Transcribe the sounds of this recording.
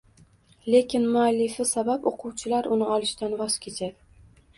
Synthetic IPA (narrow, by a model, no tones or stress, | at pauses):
le̞kʲʰɪnmʊalːɪfɪsabapoqʰʊwt͡ʃʰɪlaɾʊnɪɒlˠɪʃt̪anvɒz̥kʲʰe̞t͡ʃʰad̪ɪ